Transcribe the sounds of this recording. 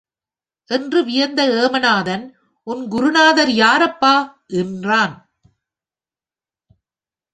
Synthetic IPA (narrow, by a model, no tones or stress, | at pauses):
ʔɛndrɯʋɪjɐnd̪ɐeːmɐnaːðɐn | ʔʊnɡʊɾʊnaːðɐɾjaːɾɐpːaː | ʔɛndraːn